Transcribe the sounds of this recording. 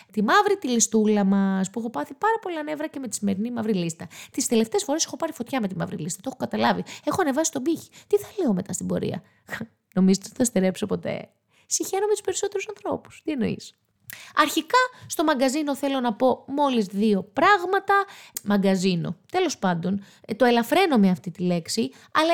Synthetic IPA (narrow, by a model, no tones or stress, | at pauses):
t̪imɐvɾit̪ilist̪ulɐmɐspuexopɐθipɐɾɐpo̞lɐne̞vɾɐceme̞t̪i̥sime̞ɾinimɐvɾilist̪ɐt̪ist̪e̞le̞ft̪eːsfo̞ɾe̞se̞xo̞pɐɾifo̞t̪çɐme̞t̪imɐ̰vɾḭlist̪ɐt̪oexokɐt̪ɐlɐvie̞xo̞ɐne̞vɐsist̪o̞biçi̥t̪iθɐleome̞t̪ɐ̰st̪ibo̞̰ɾḭɐ̰ | no̞mizot̪t̪iθɐst̪eɾe̞pso̞po̞t̪e̞̰ | siçenomet̪u̥spe̞ɾiso̞t̪eɾusɐnθɾo̞pu̥st̪ie̞no̞ḭs | ɐɾçikɐst̪o̞mɐŋɡɐzino̞θe̞lo̞nɐpo̞mo̞lizðio̞pɾɐɣmɐt̪ɐmɐŋɡɐzino̞̰t̪e̞lo̞spɐnd̪o̞n | t̪o̞e̞lɐfɾe̞no̞meɐft̪it̪ile̞ksi | ɐlɐ